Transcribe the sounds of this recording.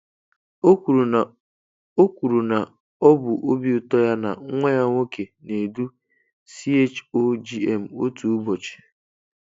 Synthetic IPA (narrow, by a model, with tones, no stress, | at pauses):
o˦ku˨ɾu˨na˨ | ɔ˦bʊ˨ʔo˦bi˦ʊ˦tɔ˦ja˦na̰˨˦ŋʷe˦ja˦ŋʷo˦ke˨ne˨du˦ | si˦e˦t͡ʃo˦d͡ʒi˦e˦m̩˨o˦tu˨u˦bɔ˨t͡ʃi̥˨